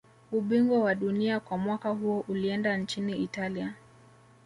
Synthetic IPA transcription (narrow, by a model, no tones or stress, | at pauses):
uɓiŋɡwɔwaɗuniakwamwakaɦuɔʔuliɛndant͡ʃiniitalia